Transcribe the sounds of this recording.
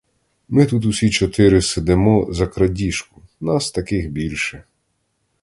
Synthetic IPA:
mɪt̪ut̪usʲit͡ʃɔt̪ɪɾɪsed̪emɔzɐkɾɐdʲiʃkʊ̥nɑst̪ɐkɪxbʲilʲʃɛ

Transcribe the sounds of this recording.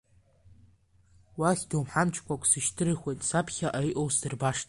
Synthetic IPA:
waχʲdowmħant͡ʃʰkʷʰʼakʷʰʼsɨʃtʰɨɾɨχʷejtʼsapʰχʲaʔajʔʼowsdɨrbaʂtʰʼ

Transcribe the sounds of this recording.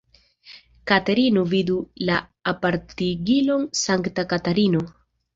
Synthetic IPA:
kateɾinovidulaːpaɾtiɡilo̞nsaŋktakataɾino

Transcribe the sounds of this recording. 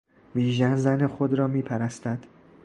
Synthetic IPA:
viːʒænzænexod̪ɾɒːmiːpʰæɾæst̪æd̪̥

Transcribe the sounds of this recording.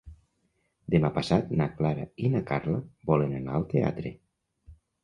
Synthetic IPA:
d̪emapasat̪naklaɾa̰inakaɾlabɔlenana̰lˠt̪ea̰t̪ɾḛ

